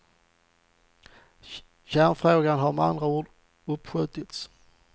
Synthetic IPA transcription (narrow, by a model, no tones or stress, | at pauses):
ɕænfɾoːɡanɦaɾmɛa̰nd̪ɾauːɖ | ɵpːɧʏːt̪ɪt̪s